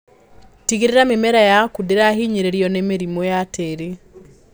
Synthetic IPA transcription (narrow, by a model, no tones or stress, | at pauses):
tiɣeɾeɾamemɛɾajakudeɾaɦiɲeɾeɾiɔnemeɾimojateɾe